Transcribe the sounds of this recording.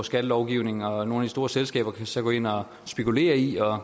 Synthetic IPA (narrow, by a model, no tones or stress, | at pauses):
sɡ̥æd̥əlɒʊɡ̥iʊne̝ŋŋ̩ɒ̽no̝ːnæd̥isd̥o̝ːɐselsɡ̥ɛ̰ːb̥ɐkʰæsɒ̽ɡ̥o̰ːe̝n̰ɒ̽ | sb̥e̝kʰule̝̰ːɐiɒ̽